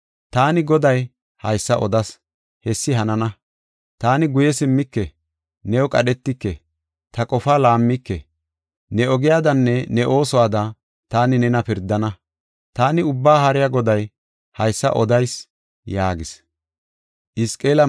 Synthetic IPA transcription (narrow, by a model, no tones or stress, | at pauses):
t̪aːnɪɡɔd̪ɐj | hɐjsːɐʔɔd̪ɐs | hɛsːɪɦɐnɐnɐ | t̪aːnɪɡʊjɛsɪmːɪkːɛ | nɛwɔkʼɐɗɛt̪ːɪkːɛ | t̪ɐkʼɔfaːlaːmːɪkːɛ̰ | nɛɔɡɪjaːd̪ɐnːɛnɛʔo̞ːsɔwaːd̪ɐ | t̪aːnɪnɛnɐpɪɾd̪ːɐnɐ | t̪aːnɪʊbːaːɦɐɾɪjaɡɔd̪ɐj | hɐjsːɐ̰ʔɔd̪ɐjs | jaːɡɪs | ʔɪskʼeːlɐ